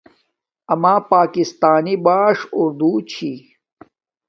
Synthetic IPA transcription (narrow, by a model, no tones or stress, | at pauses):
ɐmaːpaːkist̪aːnibaːʂʊɾd̪ut͡ɕʰi